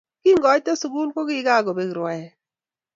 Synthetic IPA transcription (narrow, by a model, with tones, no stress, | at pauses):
kɪ˦ŋɡɔ˨˦tɔ˦su˨ɡu˦lkɔ˦kɪ˦ɡa˦˨ɡɔ˨be˨kɾwɛ˨ɛ˨